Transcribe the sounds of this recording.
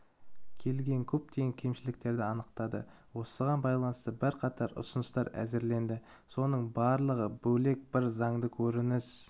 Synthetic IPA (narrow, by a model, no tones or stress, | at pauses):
kʲʰe̞lɡʲe̞ŋkʲʰɵp̚t̪eɡʲeŋkʲʰe̞mʃɪlɪkt̪e̞ɾd̪ɪɑnəqt̪ɑd̪ə̰ | wo̞səʁɑnbɑjlˠɑnəst̪əbɪɾqʰɑt̪ʰɑɾʊ̰sʊnəst̪ɑɾæ̰zɪɾle̞nd̪ɪ | so̞nəɴbɑɾlˠəʁəbɵle̞k̚bɪɾzɑɴd̪əkʲʰɵɾɪnɪz̥